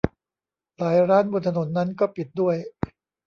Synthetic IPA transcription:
laː˩˦jɾaː˦˥nbo˧nt̪ʰa˧no˩˦nːa˦˥nkɔː˥˩pi˨˩t̪̚du˥˩əj

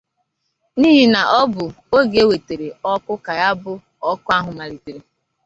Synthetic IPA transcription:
niː˦ɦi˨na˨ʔɔ˦bʊ˨ | o˦ɡe˦we˨te˨ɾe˨ɔ˦kʊ˦ka˨ja˦bʊ˦ | ɔ˦kʊ˦a˦ɦʊ˨ma˨ɾi˨te˨ɾe˨

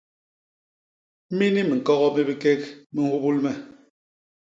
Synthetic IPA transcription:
mi˦ni˦mi˨ŋ̩˨kɔ˦ɣɔ˦mi˦bi˦ke˦kmi˦hu˦bu˦lmɛ˦

